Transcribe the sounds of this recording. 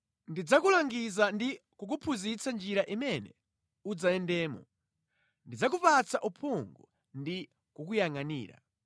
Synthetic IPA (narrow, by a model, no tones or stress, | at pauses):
ndid͡zakulaŋɡizandikukupʰuzit͡sand͡ʒiɾaʔimɛnɛ | ud͡zaɛndɛːmɔ̰ | ndid͡zakupat͡sʰaʔupʰuŋɡu | ndi | kuk̬ujaŋanḭːɾa̰